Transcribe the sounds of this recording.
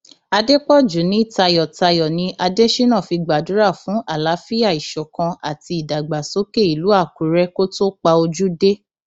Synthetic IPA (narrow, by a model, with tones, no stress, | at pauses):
a˧de˦k͡pɔ˦˨d͡ʒu˨˦nĩ˨˦i˦˨ta˧jɔ˨ta˧jɔ˨nĩ˨˦ʔa˧de˦ʃi˦nã˦˨fi˧ɡ͡ba˨du˨˦ɾa˦˨fũ˨˦ʔa˦˨la˨˦fi˦a˦˨i˨ʃɔ˨kã˧a˨ti˧i˨da˨ɡ͡ba˨so˨˦ke˦˨i˨lu˨˦a˦˨ku˨˦ɾɛ˦ko˦to˦k͡pa˧o˧d͡ʒu˦de˦